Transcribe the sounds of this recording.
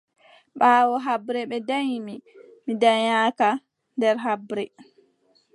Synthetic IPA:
ɓaːwɔɦabɾɛɓɛdajmi | midaɲaːka | ndɛɾɦabɾɛ

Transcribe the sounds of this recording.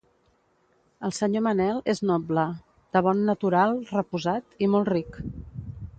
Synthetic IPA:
əlˠsəɲomənɛlˠeznɔblə | d̪̥əβɔnːət̪uɾalˠrəpuzat̪imɔlˠtrik

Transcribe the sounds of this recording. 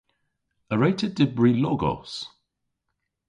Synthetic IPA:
əɹeɪtʰədɪbɹilɔɡɔ̰s

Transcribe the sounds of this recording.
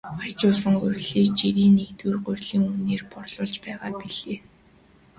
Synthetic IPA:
χajt͡ɕʊːɮsə̆ŋɢʊrʲɮiːkt͡ɕiɾiːnːekt̪wuːrɢʊrʲɮiːŋuneːrpɔrɮʊːɮt͡ɕpæːʁaːpiɮeː

